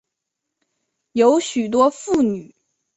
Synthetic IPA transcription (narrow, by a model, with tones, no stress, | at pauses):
jo˧˥ʊɕy˨˩t̪̬wɔ˥fu˥˩ny˨˩˦